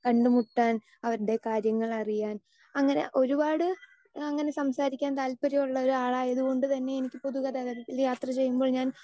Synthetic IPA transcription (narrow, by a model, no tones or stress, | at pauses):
kɐɳɖɨmuʈːaːn | ɐʋɐɾuɽe̞kaːɾjɐŋːɐɭɐrijaːn | ɐŋːɐne̞̰ʔo̞ɾubaːɽɨ | ɐŋːɐne̞sɐmsaːɾikʲːaːnt̪aːlpɐɾɐmuɭːɐo̞ɾuaːɭaːjɐðuɣo̞ɳɖɨt̪ɐnːe̞enikʲːɨpo̞ðuɣɐd̪ɐɣɐðɐt̪ːiljaːt̪rɐt͡ɕe̞jːumboːɭɲaːn